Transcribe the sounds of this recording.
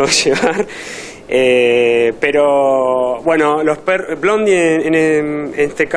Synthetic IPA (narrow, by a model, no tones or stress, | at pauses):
ʃeβaɾ | epeɾobwe̞nolosperblond̪ieeneenest̪ek